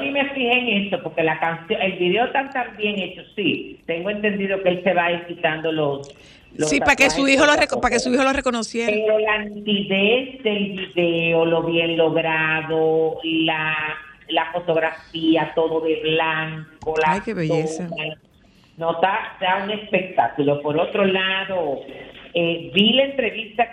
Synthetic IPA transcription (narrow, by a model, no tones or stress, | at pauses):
mimefihe̞ŋe̞so̞poɾke̞lakansjoŋe̞lβiðeot̪ant̪ambje̞ŋe̞t͡ʃosit̪e̞ŋɡoe̞nt̪e̞nd̪iðo̞keelse̞βaesit̪and̪o̞los | losiapakesuiholorekopake̞suiholoreko̞nosjeeɾo̞lant̪iðesd̪e̞lβiðeolo̞βje̞nlo̞ɣɾaðolalafo̞t̪o̞ɣɾafiat̪o̞ðo̞ðe̞βlaŋko̞laajkeβeʝesaa | not̪ad̪auŋe̞spe̞k̚t̪akulo̞po̞ɾo̞t̪ɾo̞laðo | ebilaent̪ɾe̞βist̪a